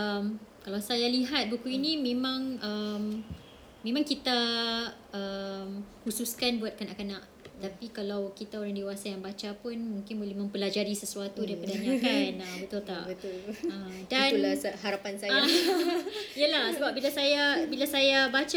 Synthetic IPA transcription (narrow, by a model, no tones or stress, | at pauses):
əmkalawsajaliɦat̪̚bukuinimẽmãŋəm | mẽmãŋkit̪a | əmhususkanbuat̪̚kanaʔkanaʔ | t̪apikalawkit̪aoɾaŋdewasajaŋbat͡ʃapʊnmũŋkɪnbolɛhmə̃mpəlad͡ʒaɾisəsuat̪udaɾipadaɲakanabət̪ult̪aʔət̪uləmdanulashaɾapansaja | ijəlahsəbap̚bilasajabilasajabat͡ʃa